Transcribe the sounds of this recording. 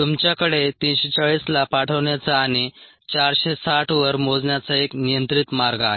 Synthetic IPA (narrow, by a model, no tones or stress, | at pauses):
t̪umt͡ɕjakəɽet̪inɕet͡səɭislapaʈʰəʋɳjat͡saːɽ̃i | t͡ɕaɾɕesaʈʰʋəɾmod͡zɳjat͡saeknijənt̪ɾit̪maɾɡaː